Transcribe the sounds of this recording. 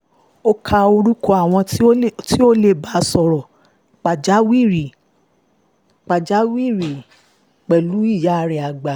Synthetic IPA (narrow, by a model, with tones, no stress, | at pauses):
o˦kʰa˧o˧ɾu˦ko˧˦a˨w̃ɔ̃˧˦ti˦o˦le˧˨ba˨˦˧sɔ˨ɾɔ˨ | k͡pa˨d͡ʒa˨˦wi˦˨ɾi˨ | k͡pa˨d͡ʒa˨˦wi˦˨ɾi˨ | k͡pɛ˨lu˨˦i˦˨ja˨˦˧ɾɛ˨a˨ɡ͡ba˨